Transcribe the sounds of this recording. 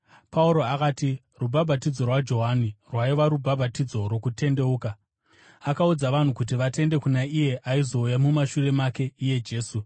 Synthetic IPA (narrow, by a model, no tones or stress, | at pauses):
pauɾo̞akaːti | rubʱabʱatid͡zo̞rwad͡ʒo̞ɦanirwaiʋaɾubʱabʱatid͡zo̞ro̞kute̞nde̞uːka | akaud͡zaʋan̤ukut̬iʋate̞nde̞kunaije̞ʔaizo̞ujamumaʃure̞make̞ije̞d͡ʒe̞ːsu